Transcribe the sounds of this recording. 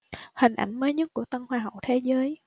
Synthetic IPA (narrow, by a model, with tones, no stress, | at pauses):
hï˨˩ŋ̟ʔa̰˧˩jŋ̟məː˨˦ɲɨ˦˥k̚ku˧˩ət̪ə˧nhwaː˧ɦa˨˩˨wt̪ʰe˨˦zəː˨˦j